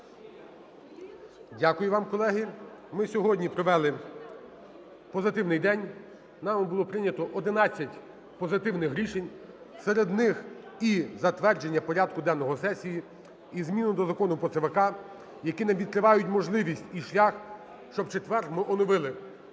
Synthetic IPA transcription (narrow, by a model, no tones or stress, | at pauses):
dʲakʊjʊʋɑmkɔlˠɛɦɪmɪsʲɔɦɔdʲnʲipɾɔʋɛlˠɪ | pɔzɪt̪ɪwnɪjd̪ɛnʲ | nɑmbʊlˠɔpɾɪnʲɐt̪ɔʔɔd̪ɪnɑt͡sʲːɐtʲ | pɔzɪt̪ɪwnɪxɦɾʲiʃenʲ | seɾed̪nɪxizɐt̪ʋɛrd͡ʒenʲːɐpɔɾʲɑd̪kʊd̪ɛnːɔɦɔsɛsʲiji | izmʲinʊd̪ɔzɐkɔnʊpɾɔt̪sɪʋɐkɑ | jɐkinɐʋʲid̪̚kɾɪʋɑjʊtʲmɔʒlˠɪʋʲisʲtʲiʃlʲax | ʃt͡ʃɔb̚t͡ʃet̪ʋɛrxmɪʔɔnɔʋɪlˠɪ